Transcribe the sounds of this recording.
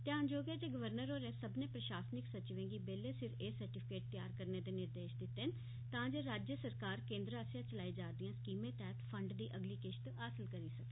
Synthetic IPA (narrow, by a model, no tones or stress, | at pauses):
t̪ɪãːnd͡ʒoːɡeːd͡ʒeːɡəʋəɾnəɾoːɾɛ̃ːsəbnẽːpɾəʃaːsnɪksət͡ʃʋẽːŋɡiːbeːleːsɪɾeːsəɾʈɪpʰɪkeːʈ̚t̪jaːɾkəɾneːd̪eːnɪɾd̪eːʃd̪ɪt̪ːen | t̪ãːd͡ʒeːɾaːd͡ʒjəsəɾkaːɾkẽːnd̪ɾaːsjãːt͡ʃəlaːiːd͡ʒaːd̪ijãːskiːmẽːt̪ɛːt̪pʰəɳɖd̪iːʔəɡliːkɪʃt̪aːsəlkəɾiːsək̚d̪